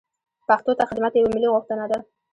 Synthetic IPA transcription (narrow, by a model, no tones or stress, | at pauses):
paxt̪ot̪axɪd̪mat̪jawamɪliɣoxt̪ənad̪a